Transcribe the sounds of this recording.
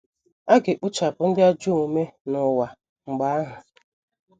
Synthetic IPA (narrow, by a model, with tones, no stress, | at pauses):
a˦ɡɪ˨k͡pʊ˦t͡ʃa˨bʊ˨˦n̩˦dɪ˦a˦d͡ʒu˦u˨me˦nʊ˨wa˨ | ŋ͡m̩˨ɡ͡ba˨˦a˦ɦʊ˨